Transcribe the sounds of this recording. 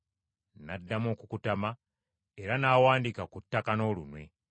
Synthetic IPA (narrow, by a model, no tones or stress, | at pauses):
nadːamo̞ːkukutama | eɾanaːwaːndikakutːakano̞ːlunwe̞